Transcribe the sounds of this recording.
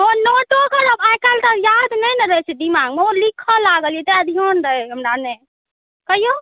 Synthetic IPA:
onoʈokəɾəbajkalt̪əjad̪nəneɾəɦɛt͡ʃʰɛd̪imaɡmeolikʰəlaɡəlijɛt̪eəd̪ʱiɔnɾəɦɛɦəmɾane | kəɦijo

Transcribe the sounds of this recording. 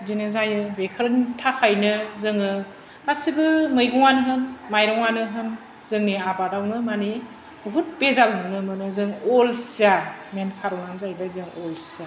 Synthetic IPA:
zinɯzajɯbekʰɯɾntʰakʰajnɯzɯŋɯ | kasibɯmɯjɡɔŋanɯɦɯnmajɾɔŋanɯɦɯn | zɯŋniabadawnɯmani | buɦut̚pezalɦɯwnɯmɯnɯzɯŋɔlsamenkʰaɾɔŋanzajbazɯŋɔlsa

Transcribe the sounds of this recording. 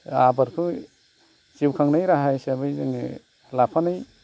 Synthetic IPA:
abaɾkʰɯ | t͡ʃiwkʰaŋnajɾaɦajsabɯjzɯŋ̰ | lapʰanaj

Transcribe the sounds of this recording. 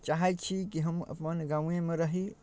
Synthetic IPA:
t͡ʃaɦɛt̪t͡ʃʰikiɦəmə̰pmənɡaw̃ẽmeɾəɦi

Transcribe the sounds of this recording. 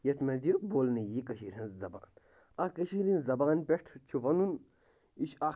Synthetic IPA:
jɐt̪mɐnziɾboːlnijikɐʃiɾʲɐnzɐba̰ːn | akɐʃiːɾĩnzɐbaːnpʲeʈʰt͡ʃʰuʋɐnun | iʃaː

